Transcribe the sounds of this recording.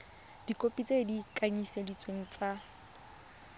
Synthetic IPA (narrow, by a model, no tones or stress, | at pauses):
d̥ikʼopʼit͡sʼedikʼaɲisedit͡sʼweŋ̩t͡sʼa